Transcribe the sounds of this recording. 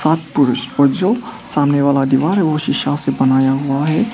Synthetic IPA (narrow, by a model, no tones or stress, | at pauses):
saːt̪̚pʊɾʊʃɔɾd͡ʒoːsaːmneʋaːlad̪iʋaːɾɦɛʋoʃɪʃasebɐnaːjaɦʊaɦɛ